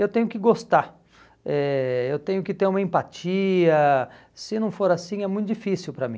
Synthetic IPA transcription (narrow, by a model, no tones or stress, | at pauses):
ewt̪ẽɲʊkɪɡost̪aɾ | ɛewt̪ẽjʊkɪt̪eɾũmɐẽpat͡ʃiɐ | sɪnɐ̃w̃foɾasĩɛmũj̃t̪ʊd͡ʒifisiwpɾɐmĩ